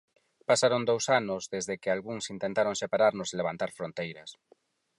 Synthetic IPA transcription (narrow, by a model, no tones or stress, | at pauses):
pasaɾond̪owsanʊzðezðekɪalɣuŋsint̪ẽnt̪aɾoŋsepaɾaɾnʊseleβ̞ant̪aɾfɾont̪ejɾɐs